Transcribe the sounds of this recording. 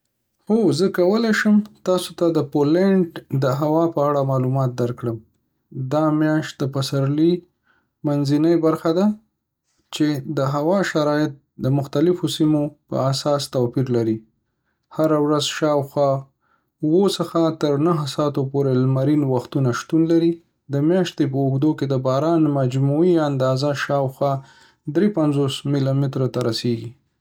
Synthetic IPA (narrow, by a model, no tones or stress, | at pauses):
xozəkawəlajʃəmt̪ɑsot̪ad̪əpoleɳɖd̪əɦawɑpəaɽamɑlumɑt̪̚d̪aɾkɽəm | d̪ɑmjɑʃt̪̚d̪əpasaɾli | manzinəjbaɾxad̪a | t͡ʃed̪əɦawɑʃaɾɑjɪt̪̚d̪əmʊxt̪alɪfosimopə̰asɑst̪apiɾlaɾi | haɾawɾazʃɑwxwɑ | wosəxat̪əɾnaɦsɑt̪opoɾelmaɾinwaxt̪unaʃt̪unlaɾi | d̪əmjɑʃt̪epəʊɡd̪oked̪əbɑɾɑnmad͡ʒmuiand̪ɑzaʃɑwxwɑ | d̪ɾepanzosmilamɪt̪ɾat̪aɾaseɡi